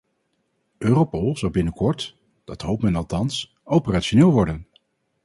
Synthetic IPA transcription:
øːropolˠzɑwbɪnəkɔɹt | d̥ɑtɦowp̚mɛnɑlˠtɑns | owpəraːʃonɪːlˠʋɔɹdən

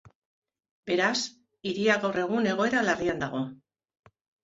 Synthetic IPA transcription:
be̞ɾas | iɾiaɣawre̞ɣ̞une̞ɣ̞o̞e̞ɾalariand̪aɣ̞o̞

